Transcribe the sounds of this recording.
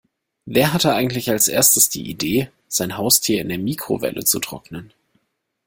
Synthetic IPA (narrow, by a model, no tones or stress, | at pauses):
veːɐɦatəʔaɪɡŋ̩tlɪçalsʔḛːɐstəsd̥ḭːʔideː | z̥aɪnɦaʊstʰiːɐɪndeːɐmiːkʁ̥o̰vɛ̰lʔə̰t͡sutʁ̥ɔ̰knən